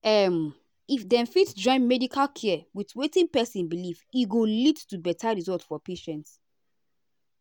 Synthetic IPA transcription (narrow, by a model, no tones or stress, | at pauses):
ɛm | ifdɛ̃nfitd͡ʒɔ̃ɪ̃nmɛdikʰalkʰiɛwitwetĩnpɛsĩnbilifiɡolidtubɛtʰaɹizɔltfɔpeʃɛ̃nt